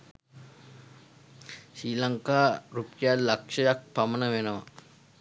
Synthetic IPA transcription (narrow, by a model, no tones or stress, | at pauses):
ʃiːlaŋkaːɾupjalakʂɐjak̚pamənəʋenəʋa̰